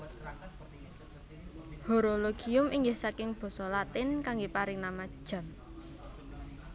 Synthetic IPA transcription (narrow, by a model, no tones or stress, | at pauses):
hoɾoloɡ̥iʊmiŋɡɪhsakɪŋb̥ɔ̤sɔlat̪ɪnkaŋɡepaɾɪŋnamad̥ʒ̥a̤n